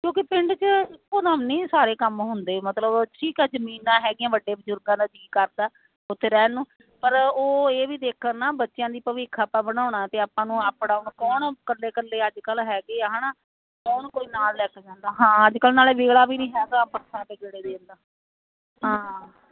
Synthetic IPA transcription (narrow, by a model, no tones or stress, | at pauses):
kjõːkɪpɪɳɖt͡ʃɪkːõːd̪aːmnĩːsaːɾeːkəmɦʊnd̪eːmət̪ləbʈʰiːkɛːzəmiːnãːɦɛːɡɪãːʋəɖːeːbəzʊɾɡãːd̪aːd͡ʒiːkəɾd̪aː | ʊt̪ʰːeːɾɛːnũː | pəɾoːeːʋiːd̪eːkʰəɾnaːbətːʃɪjãːd̪iːpəʋɪːkʰːaːpãːbəɽ̃aːʊɳaːt̪eːaːpːãːnũːaːpɽaːʊɳkɔːɳkəlːeːkəlːeːəd͡ʒkəlɦɛːɡeːɦaːnaː | kɔːnkoːiːnaːlːɛːkʰd͡ʒãːnd̪aːɦãːəd͡ʒkəlnaːleːʋeːɭaːbiːnĩːɦɛːt̪ãːpət̪ʰːãːp̪eːd͡ʒeːɽeːd̪eːʊnd̪aː | ɦãː